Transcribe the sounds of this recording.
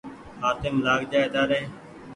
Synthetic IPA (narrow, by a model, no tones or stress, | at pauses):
haːt̪emlaːɡd͡ʒaːed̪aːɾeː